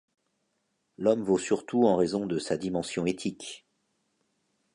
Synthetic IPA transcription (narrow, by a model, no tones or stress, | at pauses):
lɔmvosyʁt̪uɑ̃ʁezɔ̃d̪əsad̪imɑ̃sjɔ̃et̪ʰik